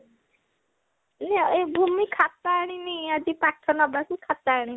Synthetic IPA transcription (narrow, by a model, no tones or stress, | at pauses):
nɛebʱumikʰat̪aːɽ̃iniad͡ʒipaʈʰːɔnɔbɽakikʰat̪aːɽ̃i